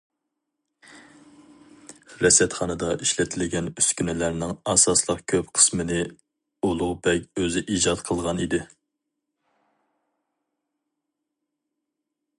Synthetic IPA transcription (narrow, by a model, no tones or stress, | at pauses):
ɾɛsɛt̪χɑnɨd̪ɑʔiʃlɛt̪ʰɪlɪɡʲɛnyskʲynɪlæɾnɪŋɑsɑslˠəqkʲʰøpqʰə̥smɨnɪ | olˠʊʁbɛkʲøzɪʔid͡ʒɑt̪qʰəlˠʁɑnid̪ɪ